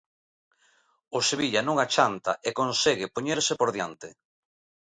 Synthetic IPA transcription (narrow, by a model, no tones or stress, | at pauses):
oseβiʎanõŋat͡ʃant̪aʔekonseɣɪpoɲeɾsɪpoɾðjant̪ɪ